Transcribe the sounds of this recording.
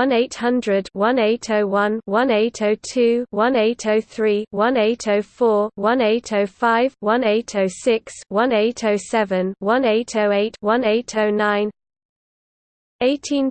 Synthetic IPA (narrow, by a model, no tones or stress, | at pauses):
ʌ̃neɪthʌ̃ndɹədwʌ̃neɪtʰəʊwʌ̃nwʌ̃neɪtʰəʊtʰʉːwʌ̃neɪtʰəʊθɹiːwʌ̃neɪtʰəʊfɔːwʌ̃neɪtʰəʊfaɪvwʌ̃neɪtʰəʊsɪkswʌ̃neɪtʰəʊsɛvə̃nwʌ̃neɪtʰəʊeɪtwʌ̃neɪtʰəʊnãɪ̃n | eɪtʰĩn